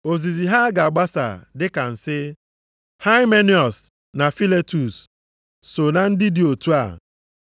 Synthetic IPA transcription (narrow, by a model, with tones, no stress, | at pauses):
o˨zi˨zi˨ɦa˦ɡa˨a˨ɡ͡ba˦sa̰˨dɪ˦ka˨n̩˨sɪ˦ | ha˦ɪ˦me˦ni˦˨ɔ˨s | na˨fi˦le˦tu˨sː | o˨na˨n̩˦dɪ˦di˨o˨tu˦a̰˨